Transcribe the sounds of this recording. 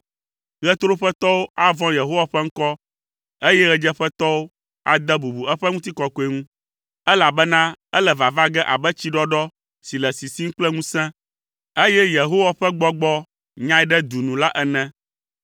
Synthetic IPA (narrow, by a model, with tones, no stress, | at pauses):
ɣɛ˦t̪ɾo˦ɸɛ˦t̪ɔ˦wo˦a˦vɔ̃˦je˨ɦo˦wa˨ɸɛ˦ŋ̩˦kɔ˦ | e˦jɛ˦ɣɛ˦d͡ʒɛ˦ɸɛ˦t̪ɔ˦wo˦ | a̰˨d̪ɛ˦bu˨bu˨ɛ˦ɸɛ˦ŋũ˦t̪̬i˦kɔ˨ko˨e˦ŋũ˦ | ɛ˦la˨bɛ˦nã˦ɛ˦lɛ˨va˨va˦ɡɛ˦ʔa̰˨bɛ˦t͡ɕi˦ɖɔ˦ɖɔ˦ | si˨lɛ˨si˨si˦ŋ̩˦k͡plɛ˦ŋũ˦sɛ̃˦ | e˦jɛ˦je˨ɦo˦wa˨ɸɛ˦ɡ͡bɔ˦ɡ͡bɔ˦ | ɲã˦ɛ˦ɖɛ˦d̪u˨nũ˨la˦ʔɛ˦nɛ̃˦